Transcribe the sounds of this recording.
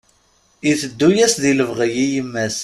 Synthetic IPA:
iθəd̪ːujæsðiləvʁəjijəmːæs

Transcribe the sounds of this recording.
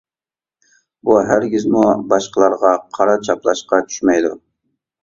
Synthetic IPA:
buɦæɾɡʲizmubɑʃqəlˠɑɾʁɑqʰɑɾɑt͡ʃʰɑplˠɑʃqɑt͡ʃʰy̥ʃmɛjd̪ṵ

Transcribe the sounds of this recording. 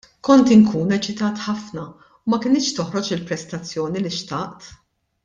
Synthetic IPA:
kɔnt̪ɪŋkuːnɛt͡ʃɪt̪ɐːt̪ħɐfnɐ | umɐkɪnɪːʃt̪ɔħɾɔt͡ʃɪlpɾɛst̪ɐt͡sːjɔːniliʃt̪ɐʔt̪

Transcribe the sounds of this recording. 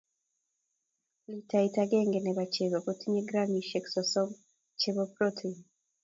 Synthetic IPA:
litaitaɡeŋɡeneβat͡ʃeβokotiɲeɡɾamiʃeki̥soso | t͡ʃeβopɾotʰi

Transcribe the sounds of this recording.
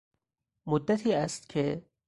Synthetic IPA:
mʊd̪ːɐt̪hiɐst̪kʰe

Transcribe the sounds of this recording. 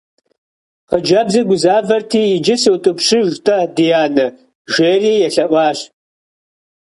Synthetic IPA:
qəd͡ʒɐbzɐɡʷʊzaːvɐrtʰiːjɪd͡ʒɪsɨwtʼɨpʂɨʒtʰʼɐdijaːnɨ | ʒeːriːjɛɬɐʔʷɑːɕ

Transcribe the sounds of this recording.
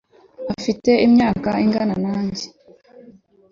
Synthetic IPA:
afite̞imɲaːkaiŋɡananaːɲɟe

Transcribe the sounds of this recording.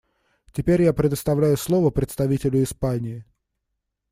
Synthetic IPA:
tʲɪpʲeɾʲjapɾʲɪd̪əst̪ɐvlʲæjʊslˠo̞vəpɾʲɪt̪st̪ɐvʲitʲɪlʲʊɪspanʲɪɪ

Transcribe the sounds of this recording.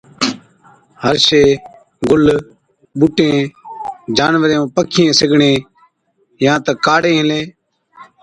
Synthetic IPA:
həɾʃeː | ɡʊl | ɓʊʈẽː | d͡ʒaːnʋəɾẽːõːpəkʰɪjẽːsɪɡʱɳẽː | jãːt̪əkaːɽẽːɦɪlẽː

